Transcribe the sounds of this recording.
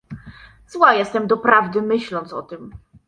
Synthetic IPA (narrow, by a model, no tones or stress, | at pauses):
zwajɛst̪ɛmd̪ɔpɾavd̪ɘmɘɕlɔnt̪sɔt̪ɘm